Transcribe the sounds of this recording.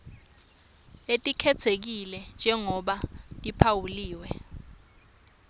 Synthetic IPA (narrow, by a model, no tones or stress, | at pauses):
etʼikʰɛt͡sʰek̬ilɛnd͡ʒʱɛŋɔɓatʼipʰawuliːwɛ